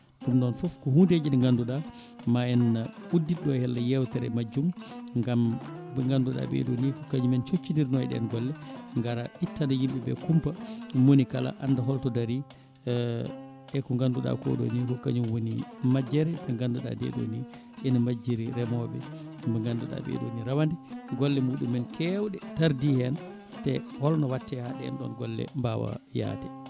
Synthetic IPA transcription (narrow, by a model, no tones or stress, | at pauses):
ɗumɗɔnfɔfkɔhunded͡ʒiɗɛŋɡanduɗa | maɛnaudːiɗɔhɛlːajɛwtɛɾɛmad͡ʒːumŋɡambɛŋɡanduɗa̰bɛ̰ɗonikɔkaɲumɛnt͡ʃot͡ʃːindiɾnɔɛɗɛ̰nɡɔlːɛŋɡaɾaʔitːanajimbɛbɛ̰kumpamonikala̰ʔandaɦɔltɔdaɾi | ɗɛkɔŋɡanduɗa̰kɔ̰ɗɔ̰nikɔkaɲumwonimad͡ʒːɛɾɛmɛŋɡanduɗa̰dɛ̰ɗo̰ni | ʔɛnamad͡ʒːiɾiɾɛmɔbɛ | mbɛŋɡanduɗa̰bɛ̰ɗoniɾawandɛɡɔlːɛmuɗumːɛnkʰɛwɗɛtaɾdihɛn | tɛhɔlnɔwatːɛhaɗɛɛ̰nɗɔ̰nɡɔlːɛ̰mbawa̰ja̰ːtɛ